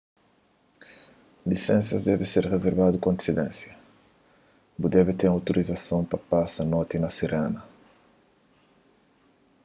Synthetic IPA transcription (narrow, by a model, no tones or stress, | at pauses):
lisɛ̃nsɐzd̪ɛvɪseɾrezeɾvad̪ukõnd̪i̥sid̪ɛ̰̃nsjɐ | bud̪ɛvɪt̪eɾawt̪oɾʔizɐsõwpɐpasɐnɔt̪inɐsiɾenɐ